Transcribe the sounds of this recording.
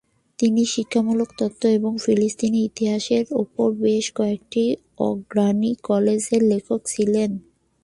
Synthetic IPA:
t̪iniʃikʰːamulokt̪ɔt̪ːoeboŋfilist̪iniit̪iɦaʃeɾṵpoɾbeʃkɔek̚ʈi | ɔ̰ɡɾanikɔled͡ʑeɾlekʰokt͡ɕʰilen

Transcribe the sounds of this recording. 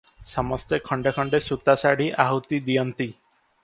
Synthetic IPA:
sɔmɔst̪ekʰɔɳɖekʰɔɳɖesut̪asaɽiʔaɦut̪id̪ijɔnt̪i

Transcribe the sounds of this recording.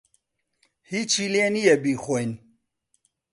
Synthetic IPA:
hiːt͡ʃʰilenijɛbiːxʷojn

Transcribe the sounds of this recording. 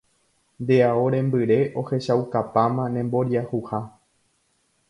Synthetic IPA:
nd̪e̞aoɾẽ̞mbɨɾe̞ʔo̞he̞ʃawkapamãnẽ̞mbo̞ɾjahuha

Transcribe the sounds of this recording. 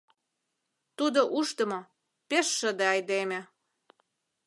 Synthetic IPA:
t̪ud̪oʔuʃt̪ə̆mo | peʃːə̆d̪eɑjd̪emĕ

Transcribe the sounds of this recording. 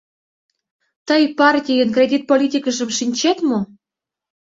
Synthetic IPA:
t̪əjpɑrt̪ʲijənkrʲedʲit̪̚polʲit̪ʲikəʒə̆mʃinʲt͡ɕet̪mo

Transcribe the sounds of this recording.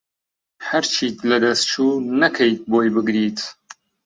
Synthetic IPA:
hɐɾt͡ʃʰiːt̪lɐd̪ɐst̪t͡ʃʰuːnɐkʰɐjt̪̚boːjbɨɡɾiːt̪ʰ

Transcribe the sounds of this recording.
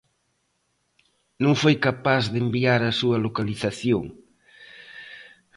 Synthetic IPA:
nõŋfojkapazðembiaɾɐsuɐlokaliθaθjoŋ

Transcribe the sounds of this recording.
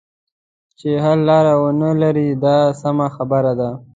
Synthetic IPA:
t͡ʃeɦaɾlɑɾawənəlaɾid̪ɑsamaxabəɾad̪a

